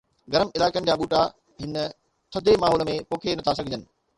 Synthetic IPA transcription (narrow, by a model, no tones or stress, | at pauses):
ɡɐɾəmɪlaːkənɪ̆d͡ʑaːɓuːʈa | ɦɪnə | t̪ʰɐd̪ʱemaːɦɔːlmẽpoːkʰenɐt̪ʰas̬ɐɡʱɪd͡ʑənɪ̆